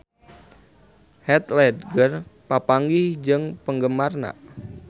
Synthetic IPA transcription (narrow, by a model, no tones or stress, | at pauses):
hɛt̪lɛdɡərpapaŋɡihd͡ʒəŋpəŋɡəmarna̰